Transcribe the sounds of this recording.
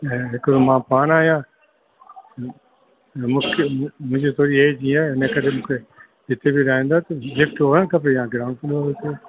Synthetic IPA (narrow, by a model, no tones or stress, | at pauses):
ɦɪkomãːpaːnaːɦijãː | mʊ̃ːkʰmʊ̃ɦɪ̃d͡ʑit̪ʰoːɾieid͡ʑĩːaːeʊnekɐɾemũːkʰe | d͡ʒɪt̪ebiɗaːɦĩːnd̪aːt̪ɐlɪfʈoːə̃ñkɐp̬ɾejãːɡɾaːnfʊlʋəɾot̪eː